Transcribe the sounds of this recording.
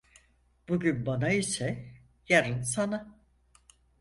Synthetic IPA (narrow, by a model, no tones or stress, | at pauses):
b̥uɟynbanaisɛ | jaɾɯnsana